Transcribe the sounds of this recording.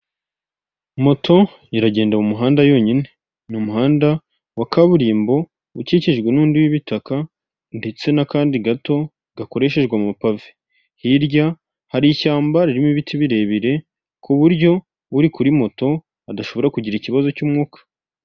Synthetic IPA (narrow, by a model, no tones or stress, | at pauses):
mo̞tʰo̞ | jiɾaɟe̞ːndamumuɦaːndajo̞ɲine̞ | numuɦaːnda | wakaβuɾiːmbo̞ | uciːceʒɡwenuːndiwiβitaka | nde̞t͡se̞nakaːndiɡato̞ | ɡako̞ɾe̞ʃe̞ʒɡwamumapave̥ | hiɾɟa | haɾicaːmbaɾiɾimiβitʰiβiɾe̞ːβiɾe̞ | kuβuɾɟo̞ | uɾikuɾimo̞to̞ | adaʃoβo̞ɾakuɟiɾiciβazo̞cuːmŋuːkḁ